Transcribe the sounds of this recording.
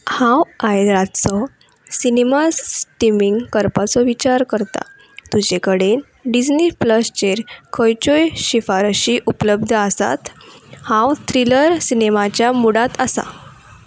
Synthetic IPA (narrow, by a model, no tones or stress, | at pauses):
hãwajd̪ɾat̪t͡sɔ | sinemasʈimiŋɡkəɾpat͡sɔʋit͡ɕaɾkəɾt̪a̰ | t̪ud͡ʑekəɽe | ɖid͡ʑnipləst͡ɕeɾkʰəjt͡ɕojɕifaɾɕiːʔupləb̚d̪ʱəasa̰t̪hãwt̪ʰɾiləɾsinemat͡ɕjamuɽat̪əsa̰